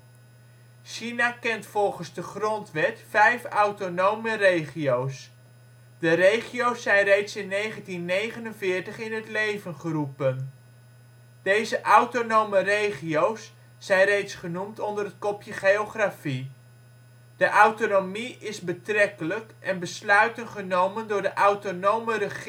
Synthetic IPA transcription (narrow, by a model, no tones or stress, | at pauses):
ʃinakɛntfɔlˠχənzdəχrɔntʋɛtfɛjfawtonowmərejχiows | dərejχiowsːɛjnrejtsɪnːejχəntinːejχənənvɪːɹtəχɪnɦətlejvənχərupən | d̥ejzəʔawtonowmərejχiowsː | ɛjnrejtsχənumtɔndərɦət̚kɔpjəχejoχrafi | d̥əʔawtonomiɪzbətrɛkələkʔɛnbəslœɥtənχənowməndʊːɹdəʔawɥtonowmərə